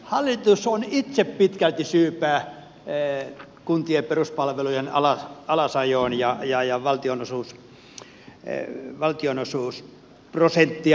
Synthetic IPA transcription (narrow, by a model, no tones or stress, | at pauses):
hɑlːit̪usonit̪seppit̪kælt̪isyːpæː | kunt̪ieperuspɑlʋelujenɑlɑɑlɑsɑjoːnjɑjɑjɑʋɑlt̪ionosuːs | ʋɑlt̪ionosuːs | prosent̪ːi